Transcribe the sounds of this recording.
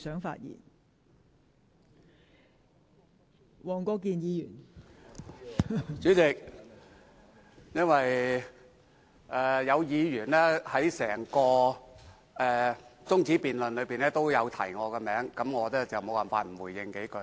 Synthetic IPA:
sœː˨˥ŋfa̰ː˧t̚jḭː˨˩n | wɔː˨˩ŋkɔː˧kiː˨njiː˨˧jyː˨˩n | t͡syː˨˥t͡sɪ˨k̚ | jɐ˥nwɐ˨j | ʔɛː˨jɐ˨˧wjiː˨˧jyː˨˩nlɛː˥hɐ˨˥jsɛː˨˩ŋkɔː˧ | ɛː˨t͡sʊ˥ŋt͡siː˨˥piː˨nlɵ˨nlɵ˨˧ɥpiː˨nɛː˥t̪o˥wjɐ˨˧wt̪ʰɐ˨˩jŋɔː˨˧kɛː˧mɛː˨˥ŋkɐ˨˥mŋɔː˨˧lɛː˥t͡sɐ˨wmo˨˧waː˨˩nfaː˧t̚m̩˨˩wuː˨˩jɪ˨˧ŋke˨˥jkɵ˧˥

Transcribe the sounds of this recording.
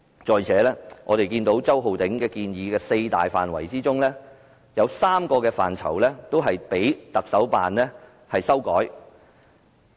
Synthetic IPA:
t͡ʃɔː˨˩jt͡sʰɛː˨˥lɛː˥ŋʔɔː˨˧ɾe˨jkiː˧nt̪o˨˥wt͡sɐ˥wɦo˨wt̪ɪ˨˥ŋkɛː˧kiː˧njiː˨˧kɛː˧se˧jt̪a̰ː˨jfa̰ː˨nwɐ̰˨˩jt͡siː˥t͡sʊ˥ŋlɛː˥ | jɐ˨˧wsaː˥mkɔː˧kɛː˧fa̰ː˨nt͡sʰɐ̰˨˩wlɛː˥t̪o˥wɦɐ˨jpe˨˥jt̪ɐ˨k̚sɐ˨˥wpa̰ː˨nlɛ˥ | hɐ˨jsɐ˥wkɔ̰ː˨˥j

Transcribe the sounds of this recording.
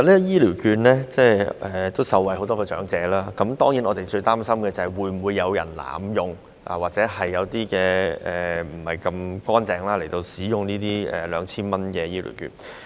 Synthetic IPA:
a˨lɛ˥jiː˥liː˨˩wkyː˧nlɛ˥t͡sɛː˥˩ɛ˨t̪o˥wsɐ˨˧wɐ˨jɦo˨˥wt̪̬ɔː˥kɛː˧t͡ʃœ̰ː˨˥ŋt͡sɛː˨˥laː˥kɐ˨˦˥mt̪ɔː˥ŋji˨˥nɔː˨˧t̪e˨jt͡ʃɵ˧ɥt̪aː˥msɐ˥mkɛː˧t͡sɐ˨˩hɐ˨jwuː˨˧jm̩˨˩wuː˨˧jːɐ˨˧wjɐ̰˨˩nla̰ː˨˩mjʊ˨ŋ | ʔa̰˨˩waː˨˩t͡sɛː˨˥hɐ˨jːɐ˨˧wt̪iː˥kɛː˧ɛː˨m̩˨˩hɐ˨jkɐ˧mkɔː˥nt͡sɛː˨˧ŋlaː˥le˨˩jt̪o˧wsiː˨˥jʊ˨ŋniː˥t̪iː˥ɛ̰˨lœː˨˧˥ŋt͡sʰiː˥nmɐ˥nkɛː˧jiː˥lḭ˨˩wky̰ː˧n

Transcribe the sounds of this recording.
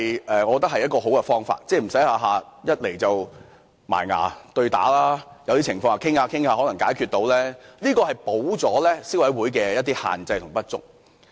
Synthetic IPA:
jʔɛː˨ŋɔ˨˧kɔ˧t̪ɐ˥khɐ˨jːɐ˥tkɔː˧ɦo˨˥wkɛ˧fɔː˥ŋfa̰ː˧t̚t͡sɛː˧˩m̩˨˩sɐ˨˥jhaː˧ɦaː˨jɐ˥t̚le˨˩jt͡sɐ˨w | ma̰ː˨˩jŋa̰ː˨˩t̪ɵ˧ɥt̪a̰ː˨˥laː˥jɐ˨˧wt̪i˥t͡sʰɪ˨˩ŋfɔː˧ŋa˨kʰɪ˥ŋhaː˧kʰɪ˥ŋhaː˧ɦɔ˨˥lɐ˨˩ŋkaː˨˥jkʰyː˧t̚t̪o˨˥wlɛː˥liː˥kɔː˧hɐ˨jpo˨˥wt͡sɔː˨˥lɛː˥si˥wɐ˨˥jwuː˨˥jkɛː˧jɐ˥t̚t̪iː˥ha̰ː˨nt͡sɐ˧jt̪ʰʊ˨˩ŋpɐ˥t̚t͡sʊ̰˥k̚

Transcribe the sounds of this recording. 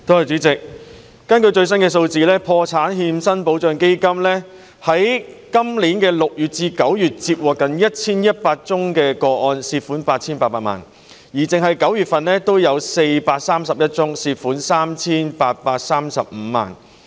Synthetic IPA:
t̪o˥whɐ˨jt͡syː˨˥t͡sɪ˨k̚ | kɐ˥nkɵ˧ɥt͡ʃɵ˧ɥs̬ɐ˥nkɛː˧s̬o˧wt͡siː˨lɛː˥pʰɔː˧t͡sʰaː˨˥nhiː˧msɐ˥npo˨˥wt͡ʃœː˧ŋke˥jkɐ˥mlɛː˥ | hɐ˨˥j | kɐ˥mliː˨˥nkɛː˧lʊ˨k̚jyː˨˩t̚t͡siː˧kɐ˨˥wjyː˨t̚t͡siː˧t̚wɔː˨˩kːɐ˨njɐ˥t̚t͡sʰiː˥njɐ˥t̚paː˧t̚t͡sʊ˥ŋkɛː˧kɔː˧ʔɔː˧nsiː˧tfuː˨˥npaː˧t̚t͡sʰiː˥npaː˧t̚paː˧tma̰ː˨˩n | jiː˨˩t͡sɪ˨ŋɦɐ˨jkɐ˨˥wjyː˨t̚fɐ˨nlɛː˥t̪o˥wjɐ˨˧wse˧jpaː˧t̚saː˥msɐ˨p̚jɐ˥t̚t͡sʊ˥ŋsiː˧t̚fuː˨˥nsaː˥mt͡sʰiː˥npaː˧t̚paː˧t̚saː˥msɐ̰˨p̚m̩˨˧˦ma̰ː˨n

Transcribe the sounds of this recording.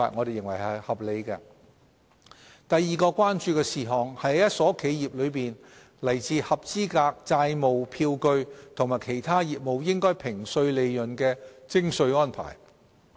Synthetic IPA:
a̰ː˨˧t̚ŋɔː˨˧de˨jːɪ˨˩ŋwɐ˨˩jhɐ˨hɐ˨p̚le˨˧jkɛː˧ | t̪ɐ˨jːiː˨˩kɔː˧kwaː˥nt͡ʃyː˧kɛː˧siː˨˩ɦɔː˨ŋhɐ˨˥jjjɐ˥t̚sɔː˨˥kʰe˨˧jjiː˨p̚lɵ˨˧ɥpiː˨n | lɐ˨˩jt͡siː˨˧hɐ˨p̚t͡siː˥kaː˧k̚t͡saː˧jmo˨wpʰiː˧wkɵ˧ɥt̪ʰŋmaː˨˩jkʰe˨˩jt̪ʰaː˥jiː˨p̚mo˨˧wjɪ˥ŋkɔː˥jpʰɪ˨˩ŋsɵ˧ɥle˨˧jjɵ˨nkɛː˧t͡sɪ˥ŋsɵ˧ɥŋɔː˥npʰa̰ː˨˩j

